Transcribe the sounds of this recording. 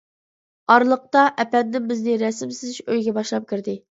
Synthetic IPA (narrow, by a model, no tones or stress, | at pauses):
ɑɾlˠəq̚t̪ɑʔɛpɛd̪nɪmbɪznɪɾɛsɪmsɪzɪʃøjɡʲɛbɑʃlˠɑp̚kʲʰiɾd̪ɪ